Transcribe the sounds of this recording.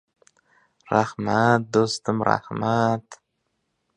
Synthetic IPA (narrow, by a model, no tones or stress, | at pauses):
ɾahmat̪̚d̪ost̪ɨmɾa̰hmat̪